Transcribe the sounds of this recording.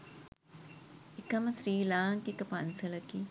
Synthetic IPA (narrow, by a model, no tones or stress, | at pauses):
ekɐməsɾiːlaːŋkikəpɐnsɐlɐkiː